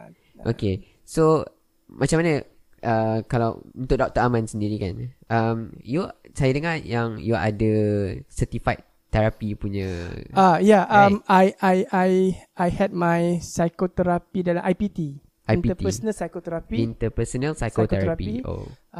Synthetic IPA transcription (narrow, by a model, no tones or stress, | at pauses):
ʔo̰ke | so | mʔat͡ʃãmanə | ʔəkala̰wunt̪ʊk̚dɔk̚t̪əamãnsəndiɾika̰nʔəmjusajadəŋajaŋjua̰dəsət̪ifaj | t̪ːɛɾapipuɲãajaʔãmajʔajajajhɛd̚majsajkot̪ɛɾapidalamʔajpit̪i | ʔanpit̪ət̪əsənəlsajkot̪ɛɾapiint̪əpəsənəlsajkotkɛɾaɾapiio̰